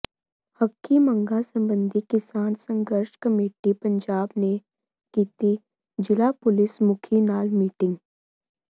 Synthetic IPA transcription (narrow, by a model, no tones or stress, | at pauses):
həkʰːimə̃ŋɡasə̃mbə̃nd̪ʱikɪsaːnsə̃ŋɡəɾʃkəmeːʈipə̃ɲd͡ʒaːbne | kiːt̪i | d͡ʒɪlapʊlɪsmʊkʰinaːlmiːʈɪ̃ŋɡ